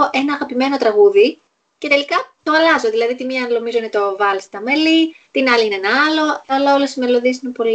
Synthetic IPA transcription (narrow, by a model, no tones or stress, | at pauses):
oʔe̞nɐːɣɐpime̞no̞t̪ɾɐɣuði | ce̞t̪e̞likɐt̪oɐlɐzo̞ðilɐðit̪imiɐɐnlo̞mizoinet̪o̞vɐlist̪ɐmelit̪inɐliinenɐɐlo̞ɐlɐo̞le̞sime̞lo̞ðiesinepo̞li